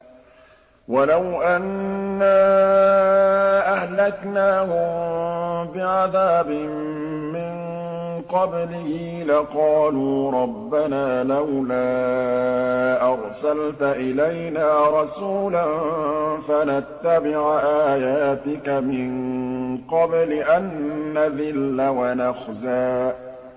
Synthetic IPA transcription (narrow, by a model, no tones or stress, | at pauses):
walawʔanːaː | ʔahlaknaːhʊm | bɪʕaðaːbɪmː | ɪn | qɑblɪhɪ | laqɑːluːɾˤɑbːanaːlawlaː | ʔɑɾˤsalt̪aʔɪlajnaːɾˤɑsuːlanfanat̪ːabɪʕʔaːjaːt̪ɪkamɪnqɑblɪʔanːaðɪlːawanaxzaː